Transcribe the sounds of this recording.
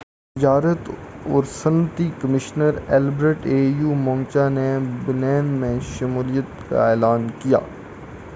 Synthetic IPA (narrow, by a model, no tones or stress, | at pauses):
t̪ɪd͡ʒaːɾət̪ɔːɾsənət̪ikəmɪʃnəɾɛːlbɾeʈeːjuːmɔ̃ːmt͡ʃanebɪlɛːnmẽʃɐmuːlijət̪ka̰eːlaːnkija̰ː